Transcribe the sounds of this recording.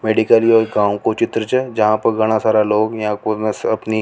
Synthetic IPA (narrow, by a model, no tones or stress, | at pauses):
meːɖikəliɔːɾɡãːwkot͡ʃɪt̪ɾət͡ʃəd͡ʒɐɦãpɐɾɡɐɽ̃asaːɾaloːɡjɐãkosɐpni